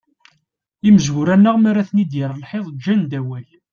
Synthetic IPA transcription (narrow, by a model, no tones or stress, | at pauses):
iməzɣʊɾænːəʁmæɾæθnid̪jəɾˤəlħeðˤd͡ʒːænd̪æwæl